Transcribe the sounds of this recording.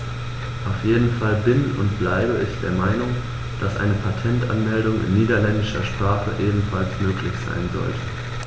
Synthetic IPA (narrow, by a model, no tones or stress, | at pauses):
ʔaʊfjeːdn̩falbɪnʊ̰ntb̥laɪbəʔɪçd̥eːɐmaɪnʊŋ | d̥asʔa̰ɪnəpʰatʰɛntʔa̰nmɛldʊŋɪ̰nːiːdɐlɛndɪʃɐʃpʁ̥aːχə̰ʔeːbm̩falsmøːkʰlɪçz̥a̰ɪnzɔ̰ltʰə̥